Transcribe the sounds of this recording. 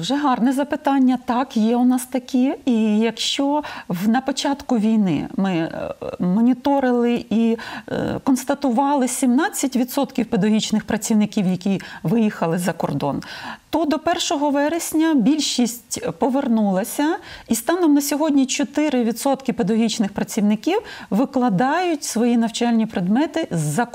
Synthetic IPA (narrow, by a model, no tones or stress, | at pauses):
wʒɛɦɑrnɛzɐpɪt̪ɑnʲːɐt̪ɑkjɛʊnɑst̪ɐkʲiijɐkʃt͡ʃɔwnɐpɔt͡ʃɑt̪kʊʋʲijnɪ̰mɪ | mɔnʲit̪ɔɾɪlˠɪʔi | kɔnst̪ɐt̪ʊʋɑlˠɪsʲimnɑt͡sʲːɐtʲʋʲid̪sɔt̪kʲiwped̪ɐɦʲit͡ʃnɪxpɾɐt͡sʲiwnɪkʲiwjɐkʲiʋɪjixɐlˠɪzɐkɔrd̪ɔ̰nt̪ɔd̪ɔpɛrʃɔɦɔʋɛɾesʲnʲɐbʲilʲʃisʲtʲpɔʋernulˠɐsʲɐist̪ɑnɔmnɐsʲɔɦɔdʲnʲit͡ʃɔt̪ɪɾɪʋʲid̪sɔt̪kɪped̪ɐɔɦʲit͡ʃnɪxpɾɐt͡sʲiwnɪkʲiwʋɪklˠɐd̪ɑjʊtʲsʋɔjinɐwt͡ʃɑlʲnʲipɾed̪mɛt̪ɪzːɐ